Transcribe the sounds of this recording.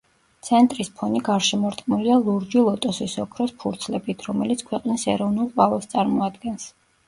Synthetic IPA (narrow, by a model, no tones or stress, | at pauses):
t̪sʰɛnt̪ʼɾispʰɔniɡaɾʃɛmɔɾt̪ʰʼqʼmilialˠuɾd͡ʒilˠɔt̪ʼɔsisɔkʰɾɔspʰuɾt̪sʰlɛbit̪ʰɾɔmɛlit̪sʰkʰwɛqʼnisɛɾɔvnulˠqʼwavɛst̪sʼaɾmɔad̪ɡɛns